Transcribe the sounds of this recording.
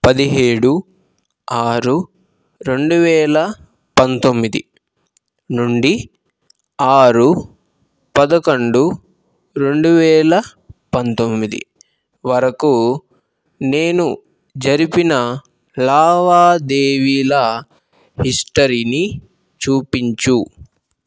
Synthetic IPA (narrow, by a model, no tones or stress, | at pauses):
pɐd̪iɦeːɽu | aːɾu | ɾe̞ɳɖuʋɛːlɐ | pɐnt̪o̞mːid̪ḭ | nuɳɖi | aːɾu | pɐd̪ɐkɐɳɖu | ɾe̞ɳɖuʋɛːlɐ | pɐnt̪o̞mːid̪ḭ | ʋɐɾɐku | ne̞ːnu | d͡ʒɐɾipinɐ | laːʋaːd̪eːʋiːlɐ | hisʈɐɾiːni | t͡ʃuːpiɲt͡ʃu